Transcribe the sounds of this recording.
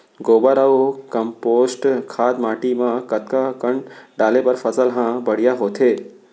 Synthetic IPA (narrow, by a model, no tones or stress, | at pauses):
ɡoːbəɾaokəmpoːsʈkʰaːd̪maːʈimãkət̪kakəɳɖaːlepəɾfʰəsəlɦãbəɽ̤ijaɦoːt̪ʰeː